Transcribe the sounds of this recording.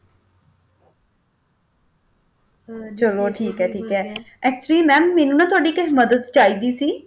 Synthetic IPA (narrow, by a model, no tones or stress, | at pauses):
t͡ʃəloːʈʰiːkɦɛːʈʰiːkɦɛː | ɛːk̚t͡ʃəɾiːmɛ̃ːmɛːnũːnãːt̪ʊaːɖiːkəɦməd̪əd̪t͡ʃaːiːd̪iːsiː